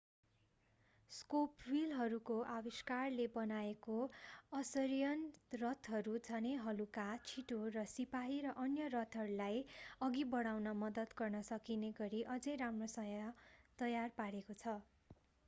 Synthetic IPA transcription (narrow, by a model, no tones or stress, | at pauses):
skoprilɦʌɾukoʔawiskarlebʌnaekoʌsʌɾijʌnrʌt̪ʰɦʌɾud͡zʱʌneɦʌlukat͡sʰiʈorʌsipaɦiɾʌʔʌnjʌrʌt̪ʰʌɾulajʌɡibʌɽawnʌmʌd̪ʌd̪ɡʌrnʌsʌkineɡʌɾiʔʌd͡zʌjɾamrosʌjʌt̪ʌjarpaɽekot͡sʰʌ